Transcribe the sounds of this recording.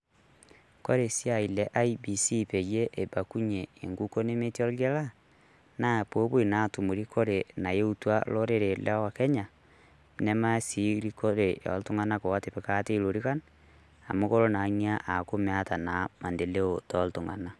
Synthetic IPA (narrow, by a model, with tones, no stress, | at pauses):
ko˦ɾe˨si˦a˨i˨le˨ʔa˦ibi˨si˦pe˨je˦ʔe˨ba˨ku˦ɲeː˨ŋɡu˦ko˦ne˦me˦ti˦o˦lɣe˦la˦ | na˦po˦βo˦i˨na˨to˨mu˨ɾi˦kʰo˦ɾe˨na˨je˦u˦twa̰˦lo˦ɾe˦ɾe˨la˦wa˨ke˦ɲa˨ | ne˦ma˦si˦ɾi˦ko˦ɾe˨ja̰˨lto˦ŋa˦na˦ko˨wa˦te˨pe˨ka˦te˦i˦ɾo˨ɾi˦ka˦n | a̰˨mo˦ko˦ɾo˦na˨ɲia˦ʔa˨ko˦mea˦ta˨na˨ma˨nde˨le˦o˨tɔ˦lto˨ŋa̰˨na˨